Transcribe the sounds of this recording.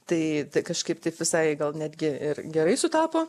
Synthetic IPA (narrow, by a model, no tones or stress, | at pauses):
t̪ɐɪt̪ɐɪkɐʃkɐɪpt̪ɐɪpʋʲɪsɐɪɡɐlˠnʲæːd̪ʲɡʲɪɪrɡʲɛɾɐɪsʊt̪ɑːpoː